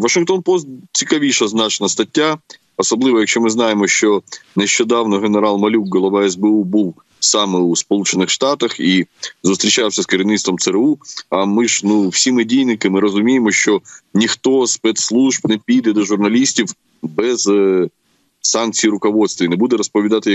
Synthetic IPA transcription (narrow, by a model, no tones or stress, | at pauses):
ʋɐʃɪŋkt̪onpɔst̪̚t͡sʲikɐʋʲiʃɐznɑt͡ʃenɐst̪ɐtʲːa | ɔsɐblˠɪʋɔjɐkʃt͡ʃɔmɪznɑjemɔʃt͡ʃɔneʃt͡ʃɔd̪ɑwnɔɣeneɾɑlˠmɐlʲukːɔlˠɔʋɑɛzbɛubuw | sɑmɪuspɔlˠut͡ʃenɪxʂt̪ɑt̪ɐxizʊst̪ɾʲit͡ʃɑwsʲɐskɐɾʲinɪt̪st̪ʋɔmsɛɾuɐmɪʒnuwsʲimɪdʲijnɪkɪmɪɾɔzʊmʲijemɔʃt͡ʃɔnʲixt̪ospɛt̪slˠuʒbnepʲijd̪ɛd̪ɔʒʊrnɐlʲisʲtʲiw | bɛz | sɑnk̚t͡sʲijɾʊkɔʋɔt̪st̪ʋʲinɛbud̪ɛɾɔspɔʋʲid̪ɑt̪ɪ